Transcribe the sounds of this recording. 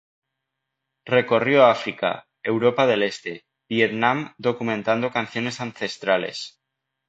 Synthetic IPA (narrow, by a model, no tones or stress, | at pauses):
re̞ko̞rjoaafɾika̰ | ewɾo̞paðe̞le̞st̪e̞ | bjet̪nãmd̪o̞kumẽnt̪and̪o̞kanθjo̞ne̞sanθe̞st̪ɾale̞̰s